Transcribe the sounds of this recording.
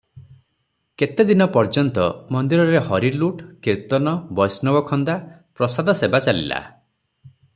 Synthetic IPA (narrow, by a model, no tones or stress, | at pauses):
ket̪ed̪inɔpɔɾd͡ʒɔnt̪ɔ̰mɔnd̪iɾɔɾehɔɾiluʈkiɾt̪ɔnɔbɔjsnɔbɔkʰɔnd̪a | pɾɔsad̪ʱɔsebat͡ʃalḭla̰